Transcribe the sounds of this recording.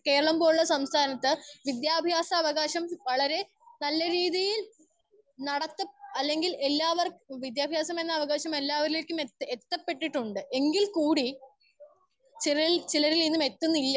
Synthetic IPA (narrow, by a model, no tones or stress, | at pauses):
ke̞ːɾɐɭɐmbo̞ːɻuɭːɐsɐmst̪ʰaːnɐt̪ːɨʋid̪jaːbʱjaːsɐːʋɐɣaːɕɐmʋɐɭɐɾe̞ | nɐlːɐɾiːðijil | nɐɽɐt̪ːɐɐlːe̞ŋɡile̞lːaːʋɐrʋid̪jaːbʱjaːsɐme̞nːɐːʋɐɣaːɕɐme̞lːaːʋɐɾile̞ːkʲːumeet̪ːɐpːe̞ʈːiʈːuɳɖɨʔe̞ŋɡilkuːɽi | t͡ɕiɾt͡ɕilɐɾilinːume̞t̪ːunːilːɐ